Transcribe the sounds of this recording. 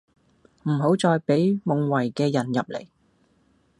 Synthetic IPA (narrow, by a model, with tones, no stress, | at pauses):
m̩˨˩ɦo˨˥wt͡sɔː˧jpe˨˥jmʊ˨ŋwɐ˨˩jkɛː˧jɐ˨˩njɐ˨p̚lḛ˨˩j